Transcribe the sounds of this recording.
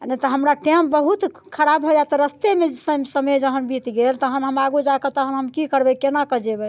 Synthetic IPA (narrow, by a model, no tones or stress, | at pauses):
net̪ɔɦəmɾaʈembəɦut̪ | kʰəɾabɦɔd͡ʒat̪ɔɾəst̪emesəsəməjd͡ʒəɦənbʱit̪ɡelt̪əɦənɦəmaɡud͡ʒakət̪əɦənɦəmkikəɾbɛkenakəd͡ʒebɛ